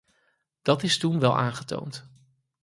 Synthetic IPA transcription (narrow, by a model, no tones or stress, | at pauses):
d̥ɑtɪstunʋɛlˠʔa̰ːnχəto̰wnt